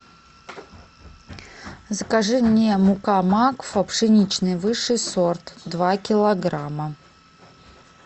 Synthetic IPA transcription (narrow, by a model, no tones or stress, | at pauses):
zəkaʐɛnʲɪjəmʊkamakfɐpʂɨnʲit͡ɕnɨjvɨʂɨjsort̪d̪vakʲɪlˠɐɡɾamə